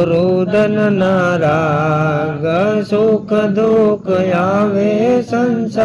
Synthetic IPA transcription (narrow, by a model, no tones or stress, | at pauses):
ɾuːd̪ɐnɐnaːɾaː | ɡɐsukəd̪ukjaːʋesɐns